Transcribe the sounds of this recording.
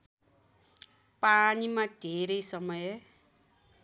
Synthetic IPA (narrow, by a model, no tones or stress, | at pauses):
panimad̪ʱeɾʌjsʌmʌj